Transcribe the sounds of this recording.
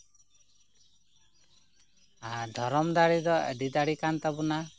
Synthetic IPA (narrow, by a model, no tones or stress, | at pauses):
ɦad̪ʱɔɾɔmd̪aɽid̪ɔḛɖid̪aɽikant̪abuna